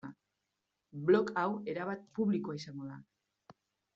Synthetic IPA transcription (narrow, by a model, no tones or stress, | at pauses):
a | blo̞kawe̞ɾaβat̪̚puβlikoaisaŋɡoða̰